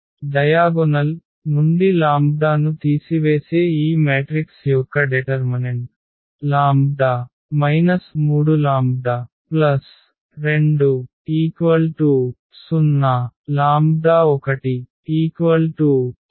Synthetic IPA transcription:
ɖɐjaːɡonɐl | mund̪ilaːmb̚d̪aːnut̪iːsiʋeːseːiːmeːʈɾiksjɔkːɐɖeʈɐɾmineɳʈ | laːmbd̪aː | mɐjnɐsmuːɽulaːmb̚d̪aː | plɐs | ɾe̞ɳɖu | iːkʋɐlʈu | sunːɐlaːmbd̪aːɔkɐʈi | iːkʋɐlʈu

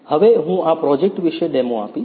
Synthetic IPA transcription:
həʋeɦũapɾɔd͡ʒek̚ʈʋiʃeɖɛmõa̰pi

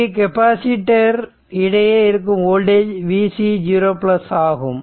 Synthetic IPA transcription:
ik̬ɛpaːsɪʈːɐɾ | ɪɽɐjeːɪɾɯk̬ːɯmoːlɖeːd͡ʒʋiːsid͡ʒuɾoːplɐsaːɣɯm

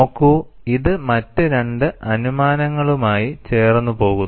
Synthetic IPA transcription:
oːkːu | iðɨmɐtːɨɾeɳɖɨʔɐnumaːnɐŋːɐɭumaːjit͡ɕe̞ːrnːupo̞ːɣu

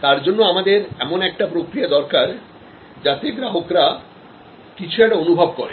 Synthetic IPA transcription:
t̪aɾd͡ʑonːoamad̪eɾɛmonɛk̚ʈapɾokɾiad̪ɔɾkaɾ | d͡ʑat̪eɡɾaɦokɾa | kit͡ɕʰuɛʈaonubʱabkɔɾe

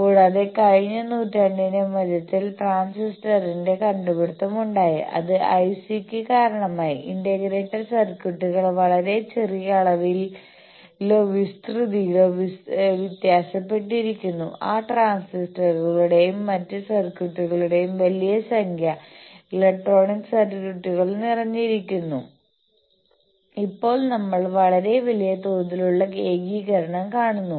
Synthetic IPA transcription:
oːɽɐðe̞kɐɻiɲːɐnuːtːaɳɖinemɐðɐt̪ːilʈraːnsisʈɐrinde̞kɐɳɖupeɽut̪ːɐmuɳɖaːjḭʔɐ̰ðɨʔɐjsikʲːɨkaːɾɐɳɐmaːjiindɐɣɾe̞ːʈːɐrsɐrkjuʈːuɣɐɭʋɐɭɐɾe̞t͡ɕerijɐɭɐʋil | ilːo̞ːʋist̪rɨðijiloʋiʋit̪jaːɕɐpːe̞ʈːiɾikʲːunːuaːʈraːnsisʈɐrɐɭuɽe̞jumːɐtːɨsɐrkjuʈːuɣɐɭuɽe̞jumʋɐlijɐsɐŋkʰjɐilek̚ʈro̞ːɳikːɨsɐrkuʈːuɣɐɭnirɐɲːiɾikʲːunːṵ | ipːo̞ːɭnɐmːɐɭʋɐɭɐɾe̞ʋɐlijɐt̪oːd̪iluɭːɐɡe̞ːɡiːɣɐɾɐɳɐmkaːɳunːu

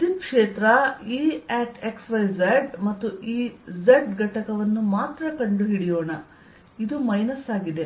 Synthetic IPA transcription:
d̪ikʂeːt̪ɾɐiːɛːʈeksʋɐjzeɖmɐt̪ːuʔiːzeɖɡɐʈɐkɐʋɐnːumaːt̪ɾɐkɐɳɖuɦiɽijoːɳɐ | id̪umɐjnɐsaːɡid̪e̞

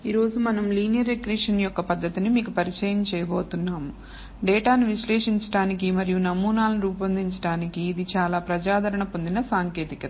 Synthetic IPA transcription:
iːɾo̞ːzumɐnɐmliːnjɐɾekɾiːʂɐnjɔkːɐpɐd̪ːɐt̪inimiːkupɐɾit͡ʃɛːjɐmt͡ʃɛːjɐboːt̪unːaːmu | ɖɛːʈaːniʋiʃlɛːʂiɲt͡ʃɐ̥ʈaːnikimɐɾijunɐmuːnaːlɐniɾuːpɐnd̪iɲt͡ʃɐ̥ʈaːnikiːd̪it͡ʃaːlaːpɾɐd͡ʒaːd̪ʱɐɾɐɳɐpo̞nd̪inɐsaːŋkeːt̪ikɐt̪

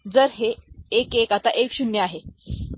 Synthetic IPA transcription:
d͡zəɾɦeːkekat̪aʔekɕunjəaɦe

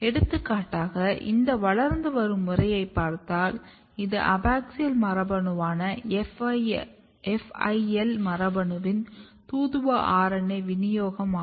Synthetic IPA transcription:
ɛɽɯt̪ːɯkːaːʈːaːɣɐʔɪ̰nd̪ɐʋɐɭɐɾnd̪ɯʋɐɾɯmːɯrɐjɐɪpːaːɾt̪aːl | ɪðɯ̰ʔɐbaːk̚sɪjɐlmɐɾɐbɐɳɯʋaːnɐɛf | ɛfɐɪɛlmɐɾɐbɐɳɯʋɪn | t̪uːðɯʋɐʔaːɾɐnɐɪʋɪnɪjoːɣɐmaː

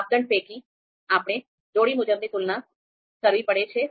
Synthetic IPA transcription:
b̚d̪əɳɖpeːkiː | aːpɽ̃eː | d͡ʒoːɽiːmʊd͡ʒəmd̪et̪ʊlnãː | səɾʋiːpəɽet͡ʃʰeː

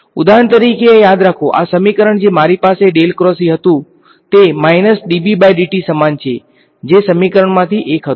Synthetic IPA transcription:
ʊd̪ʱaːɦəɽ̃t̪̬əɾiːkejaːd̪ɾakʰoʔa̰sɐmikəɾəɽ̃d͡ʑeːmaːɾipaːseɗeːlkɾɔːsiɦət̪ũ | t̪emaːɪnəsɗiːbibajɖiʈisəmaːnt͡ɕʰḛ | d͡ʑeːsɐmikəɾəɽ̃mãt̪ʰiʔeːkɦət̪

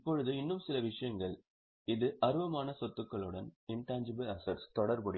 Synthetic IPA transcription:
pːɔɻɯðɯɪnːɯmsɪlɐʋɪʂɐjɐŋɡɐɭ | ɪðɯʔɐɾɯʋɐmaːnɐsɔt̪ːɯkːɐɭɯɽɐnɪnʈaːnd͡ʒɪbɐlɐsɐɾst̪ɔɽɐɾbɐɽɪ

